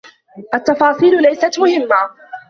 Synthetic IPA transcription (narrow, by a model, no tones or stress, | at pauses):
ʔat̪ːɑfɑːsˤiːllajsat̪mʊhɪmːa